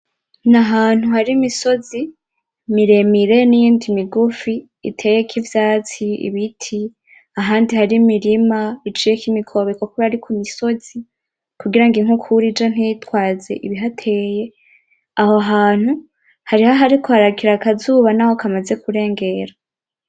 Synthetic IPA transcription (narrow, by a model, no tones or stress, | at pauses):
naɦaːn̥huhaɾimiso̞zi | miɾe̞miɾe̞nijiːndimiɡufḭː | tʰe̞ːjekʰivjaːt͡siḭβitʰi | aɦaːndihaɾimiɾimait͡ʃiːjekimikʰo̞βekokuβaaɾikʰumiso̞z̥i | kuɡiɾaŋɡiŋ̥hukʰuɾid͡ʒan̥ijitwaːze̞̰ʔiβiɦatʰe̞je̞ | ahoaɦaːn̥hu | haɾihaɦaɾikʰohaɾakiɾakazuːβanaho̞kamaze̞kuɾe̞ːŋɡe̞ɾa